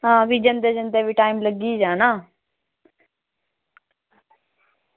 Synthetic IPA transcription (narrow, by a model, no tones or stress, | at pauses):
ɦãːbʱid͡ʒənt̪ed͡ʒə̃nt̪ebʱiʈaːimləɡid͡ʒãːnaː